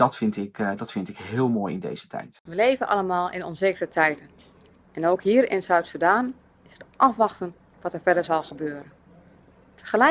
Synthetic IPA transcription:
d̥ɑtfɪntɪkdɑtfɪntɪkɦɪːlˠmoːjɪndḛjz̥ətʰɛ̰jtʋəlejvənʔɑ̰lˠəmaːlˠʔɪ̰nɔ̰nzeːkərətʰɛjdən | ɛnowkɦiːɾɪ̰nzœɥtsudaːn | ɪsətʔɑfʋɑχtən | ʋɑtəɹvɛdəɹzɑlˠχəbøːɾən | tʰəχəlɛ

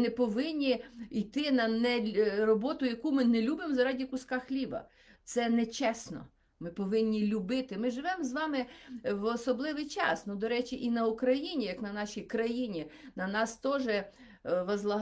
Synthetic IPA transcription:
nɛpɔʋɪnʲːiijt̪ɪnɐnɛrɔbɔt̪ʊjɐkumɪnɛlʲubɪmzɐɾɑdʲikʊskɑxlʲiʋɐ̰ | t̪sɛnɛt͡ʃɛsnɔ̰ | mɪpɔʋɪnʲːilʲʊbɪt̪ɪmɪʒɪʋɛmzʋɑmɪʋɔsɔblˠɪʋɪjt͡ʃɑ̰snud̪ɔɾɛt͡ʃʲiʔinɐukɾɐjinʲijɐknɐnɑʃʲijkɾɐjinʲinɐnɑst̪ɔʒɛ | ʋɐzlˠɐ

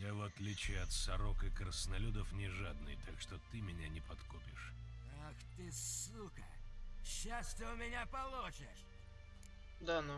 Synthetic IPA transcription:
javɐt̪lʲit͡ɕɪɐt̪sɐɾokɨkɾəsnɐlʲud̪əfnʲɪʐad̪nɨ̰jt̪akʂt̪ot̪ɨmʲɪnʲanʲɪpɐt̪kopʲɪʂ | axt̪ɨsukə̰ɕːast̪ɨʊmʲɪnʲapɐlˠot͡ɕɪʂ | d̪anu

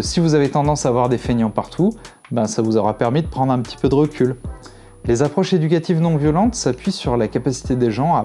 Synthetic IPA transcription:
sivuzavet̪ɑ̃d̪ɑ̃saːvwaʁd̪efenjɑ̃paʁt̪ʰu | bɛ̃savuzɔʁapɛʁmid̪əpχɑ̃d̪ʁɛ̃pə̥t̪ʰi̥pød̪əʁəkʲʰyl | lezapχɔʃed̪ykʲat̪ivnɔ̃vjɔlɑ̃t̪sapɥisyʁlakapasi̥t̪ed̪eʒɑ̃a

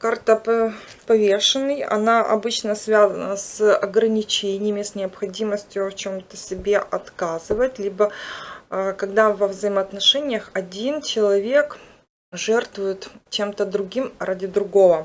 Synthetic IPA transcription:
kart̪əp | pɐvʲeʂɨnːɨjɐ̰naʔɐ̰bɨt͡ɕnəsvʲazənəsɐɡɾənʲɪt͡ɕenʲɪjəmʲɪsnʲɪɐpxɐdʲiməsʲtʲjʊft͡ɕomt̪əsʲɪbʲeʔɐt̪kazɨvətʲlʲibə | kɐɡd̪avəvzəɪməɐt̪nɐʂɛnʲɪjəxɐdʲint͡ɕɪlˠɐvʲe̞k | ʐɛrt̪vʊjɪt̪t͡ɕe̞mt̪əd̪ɾʊɡʲimradʲɪd̪ɾʊɡo̞və

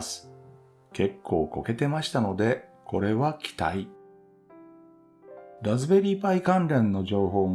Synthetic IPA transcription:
sɨ̥ | ke̞kʰːo̞ːko̞̰ke̞t̪e̞maɕi̥t̪ano̞d̪e̞ko̞ɾe̞βakʲʰi̥t̪a̰i | ɾazɨbe̞ɾʲiːpaikãnɾẽ̞nːo̞ʑo̞ːɦo̞ːm

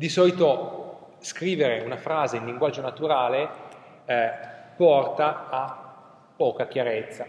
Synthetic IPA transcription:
d̪isɔːlit̪o | skɾiːveɾeunafɾaːzeiliŋɡwad͡ʒːonat̪uɾaːle | pːɔrt̪aː | pːɔːkak̟jaɾet̪sːa

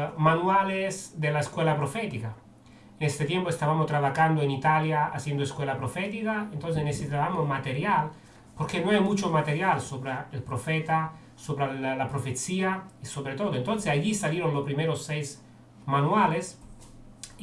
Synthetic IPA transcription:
manuwalesd̪elaeskwelapɾofɛt̪ika | enest̪et̪jẽmpoest̪aβamost̪ɾaβaxand̪oenit̪aljaa̰sjend̪oeskwelapɾofet̪ikaent̪ons̬enesesit̪aβamomat̪eɾjal | poɾkenõajmut͡ʃomat̪eɾjalsoβɾeelpɾofet̪a | soβɾellapɾofet̪siaisoβɾet̪od̪oẽnt̪onsesaʎisaljeɾonlopɾimeɾosːɛjs | manuales

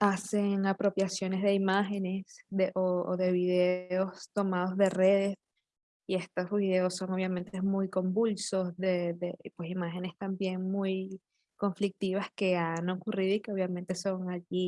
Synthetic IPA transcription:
ase̞ŋapɾo̞pjasjo̞ne̞zðe̞imaxe̞ne̞sd̪eʔooðe̞βiðe̞o̞st̪o̞mað̞o̞zðe̞re̞ðe̞s | ie̞st̪osuβiðe̞osːo̞ŋo̞βjament̪emujko̞mbulso̞sðe̞ðepwe̞simaxe̞ne̞st̪ambje̞ŋmuj | ko̞ɱflik̚t̪iβ̞aske̞anokuriðoike̞o̞βjamẽ̞nt̪e̞so̞ŋaʝi

